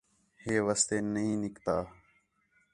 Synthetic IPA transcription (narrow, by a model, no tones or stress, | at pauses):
heːʋəst̪eːnəɦĩːnɪkt̪aː